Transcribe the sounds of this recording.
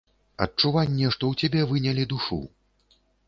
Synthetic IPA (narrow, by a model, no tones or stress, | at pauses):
ɐ̰tt͡ʂuvanʲːɛʂt̪ɔwt͡sʲabʲɛvɨnʲɛlʲid̪uʂṵ